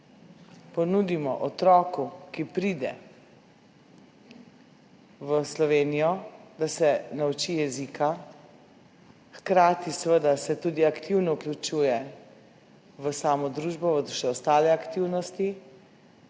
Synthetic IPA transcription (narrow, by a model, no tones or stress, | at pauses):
pɔnuːd̪imɔʔɔt̪ɾɔːkukipɾid̪ɛ̰ | ʋəslɔʋeːnijɔd̪asɛnaut͡ʃijɛzika | xkɾaːt̪isʋəd̪asɛt̪ud̪iakt̪iwnɔuklʲut͡ʃuːjɛ | ʋəsaːmɔd̪ɾuʒbɔʋəʃɛɔst̪aːlɛakt̪iwnɔst̪i